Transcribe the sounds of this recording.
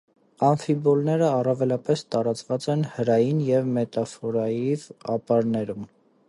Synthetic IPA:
ɑnfibɔlnɛɾəɑrɑvɛlɑpɛst̪ɑɾɑt͡svɑt͡sɛnhəɾɑjinjɛvmɛt̪ɑfɔɾɑjivɑ̰pɑɾnɛɾum

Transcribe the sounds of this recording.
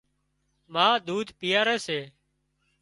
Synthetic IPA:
maːd̪uːd̪ʱpɪjaːɾeːseː

